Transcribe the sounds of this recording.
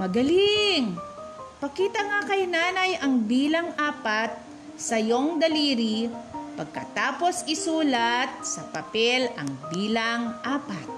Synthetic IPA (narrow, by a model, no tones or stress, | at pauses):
mɐɡɐliŋpɐkiːt̪ɐŋakɐjnaːnɐjʔɐŋbiːlɐŋʔaːpɐt̪̚ | sɐjo̞ŋd̪ɐliːɾipɐɡ̚kɐ̰t̪aːpo̞sɪsuːlɐt̪̚sɐpɐpɛlɐ̰ŋbiːlɐŋʔaːpɐt̪̚